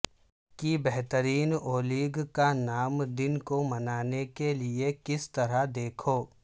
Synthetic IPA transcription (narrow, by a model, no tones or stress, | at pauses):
kibɛɦt̪əɾiːnoːliːɡkanaːmd̪ɪnkomɐnaːnekelɪekɪst̪ɐɾad̪eːkʰoː